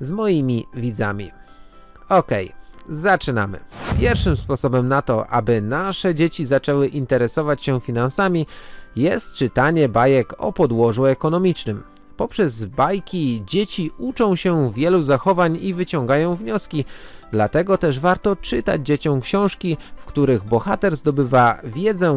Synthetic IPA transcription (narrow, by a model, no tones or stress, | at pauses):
zmɔjimʲivʲid̪za̰mʲḭ | ɔkɛjzat͡ʂɘna̰mɘ̰pʲjɛɾfʂɘmspɔsɔbɛmnat̪ɔʔa̰bɘnaʂɛd͡ʑet͡ɕizat͡ʂɛwɘʔint̪ɛɾɛsɔvat͡ɕɕɛfʲinansamʲijɛst̪̚t͡ʂɘt̪aɲɛbajɛkɔ̰pɔd̪wɔʐuɛkɔn̪ɔmʲit͡ʂnɘm | pɔpʂɛzbajkʲid͡ʑet͡ɕiut͡ʂɔ̃w̃ɕɛvʲjɛluzaxɔvaɲivɘt͡ɕɔ̃ŋɡajɔ̃w̃vɲɔskʲid̪lat̪ɛɡɔt̪ɛʐvaɾt̪ɔt͡ʂɘt̪a̰d͡ʑd͡ʑet͡ɕɔ̃w̃kɕɔ̃w̃ʂkʲifkt̪uɾɘɣbɔxat̪ɛɾzd̪ɔbɘvavʲjɛd̪zɛ